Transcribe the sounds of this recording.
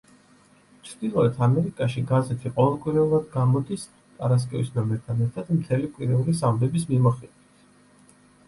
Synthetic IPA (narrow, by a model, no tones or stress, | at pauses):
t͡ʃʰɾd̪̥ilˠɔɛt̪ʰamɛɾikʼaʃiɡazɛt̪ʰiqʼɔvɛlˠkʼwiɾɛulˠad̪ɡamɔd̪is | t̪ʼaɾas̬kʼɛvisnamɛɾt̪ʰanɛɾt̪ʰad̪̥mt̪ʰɛlikʼwiɾɛulisambɛbis̬mimɔχɛd̪wit̪ʰ